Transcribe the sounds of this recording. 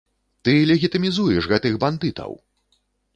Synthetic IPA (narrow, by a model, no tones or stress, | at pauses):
t̪ɨlʲɛɣʲit̪ɨmʲizujɛʂɣɛt̪ɨɣband̪ɨt̪ɐ̰w